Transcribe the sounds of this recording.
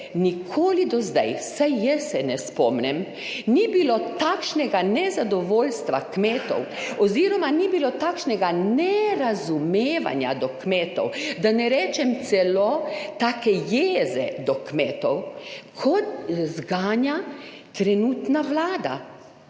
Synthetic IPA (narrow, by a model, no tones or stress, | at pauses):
nikʰoːlid̪ɔzd̪a̰jsajjɛsːɛnɛspɔːmnɛm | nibilot̪akʃnɛɡanɛzad̪ɔʋoːlst̪ʋakmeːt̪ɔ̰w | ɔziːɾɔmanibilot̪aːkʃnɛɡanɛɾazumeːʋa̰nja̰d̪ɔkmɛːt̪ɔ̰wd̪anɛɾɛːt͡ʃɛmt̪sɛlot̪aːkɛjeːzɛd̪ɔkmɛːt̪ɔwkʰɔt̪zɡaːnja | t̪ɾɛnuːt̪naʋlaːd̪a̰